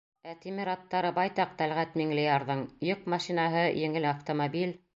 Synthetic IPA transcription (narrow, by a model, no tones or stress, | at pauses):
æt̪imiɾɑt̪ːɑɾɤbɑjt̪ɑq̚t̪ælʁæt̪miŋlɘjɑɾðɤɴjok̚mɑʃinɑɦɤjɘ̆ŋɘlaft̪omobil